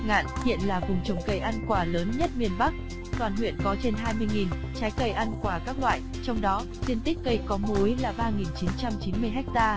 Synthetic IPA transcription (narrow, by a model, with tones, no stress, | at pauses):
ŋa̰ː˧˨nhḭ˧˨ənlaː˨˩vʊ˨˩ŋ͡mt͡ɕə˨˩wŋ͡mkə˨˩jʔa˧nkwaː˧˩ləː˨˦nɲə˦˥t̚mi˧˩ənɓa˦˥k̚ | t̪waː˨˩nhwḭ˧˨ənkɔ˨˦t͡ɕe˧nɦaː˧jmɨ˧əjŋi˨˩n | t͡ɕaː˨˦jkə˧˩jʔa˧nkwaː˧˩kaː˦˥k̚lwa̰ː˧˨j | t͡ɕɔ˧wŋ͡mɗɔ˨˦ | t̪i˧ənt̪i˦˥k̚kə˧˩jkɔ˨˦mu˨˦jlaː˨˩ɓaː˧ŋi˨˩nt͡ɕi˨˦nt͡ɕa˧mt͡ɕi˨˦nmɨ˧əjɦɛ˦˥k̚t̪aː˧